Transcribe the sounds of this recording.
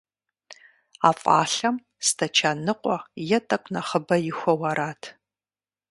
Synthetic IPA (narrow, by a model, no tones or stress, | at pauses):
aːfʼa̰ːɬɐm | stʰɐt͡ʃʰaːnɨqʷʼɔjɛtʼɐkʷʼnɐχəbɐjɪxʷɔwɐɾaːtʰ